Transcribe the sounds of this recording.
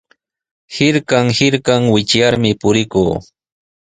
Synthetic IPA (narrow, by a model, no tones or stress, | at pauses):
hɪɾkɑŋhɪɾkɑŋwɪt͡ʃjaɾmɪpʊɾɪkuː